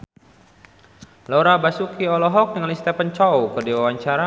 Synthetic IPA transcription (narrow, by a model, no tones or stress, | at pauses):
lɔɾabasukiɔlɔɦɔk̚dəŋalist̪ɛpant͡ʃɔwkərdiwawaɲt͡ʃaɾa